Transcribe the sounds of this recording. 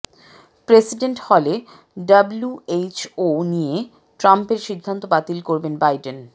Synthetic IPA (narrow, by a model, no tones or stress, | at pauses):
pɾesiɖeɳʈhɔle | ɖɐbluet͡ɕonije | ʈɾampeɾʃid̪ʱːant̪obat̪ilkoɾbenbajɖen